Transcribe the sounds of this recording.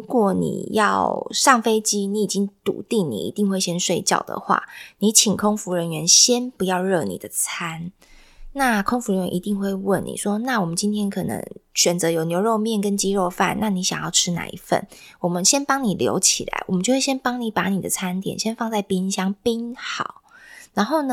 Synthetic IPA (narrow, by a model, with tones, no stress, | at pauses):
ɻu˧˦˥kwɔ˨˩nḭ˨˩jɑ˥˨˩ʊʂɑ˥˩ŋfe˥ɪt͡ɕi˥ni˧˥i˨˩t͡ɕi˦˥ŋt̪ṵ˨˩t̪i˥˨ŋnḭ˨˩ḭ˧˥t̪i˥˧ŋxwe˥˩ɪɕjɛ˥nʂwe˥˧ɪt͡ɕjɑ̰˥˩ʊd̪ə̰˩xwa̰˥˩ni˧˦t͡ɕʰi˨˩ŋkʰo˥ŋfu˧˦ɻə˧˦nɥɛ˧˥nɕjɛ˦˥npu˧˦jɑ˥˧ʊɻɤ˥˩nḭ˨˩d̪ə˦t͡sʰa˦˥n | na˥˩kʰo˥ŋfu˧ɻə˧nɥɛ˧˦ʔi˧t̪i˥˧ŋxwe˥˧ɪwə˥˨˩nḭ˨˩ʂwɔ˥na˥˩wɔ˨˩mə˨˦nt͡ɕi˦nt̪ʰjɛ˥nkʰɤ˨˩nə̰˧˥ŋɕɥɛ˨˩nt͡sɤ˨˦jo˨˩ʊnjo˧ʊɻo˥˧ʊmjɛ˥˨˩nkə˦˥nt͡ɕi˦ɻo˥˧ʊfa̰˥˨nna˥˨ni˧˥ɕjɑ˨˩ŋjɑ˥˩ʊʈ͡ʂʰɻ̩˥na̰˨˩ḭ˧˥fə̰˨˩nwɔ˨˩mə˦nɕjɛ˥npɑ˥ŋni˨˩ljo̰˧˥ʊt͡ɕʰḭ˨˩la̰˧˩˦ɪwɔ̰˨˩mə˦t͡ɕjwe˥˩ɕjɛ˥npɑ˥ŋni˧˦pa˧˥ni˨˩d̪ə̰˦t͡sʰa˥˦nt̪jɛ̰˨˩nɕjɛ˥nfɑ˥˧ŋt͡sa˥˩ɪpi˥ŋɕjɑ˥ŋpi˥nxɑ˨˩˦ʊɻa˧˥nxo˥˩ʊnə˧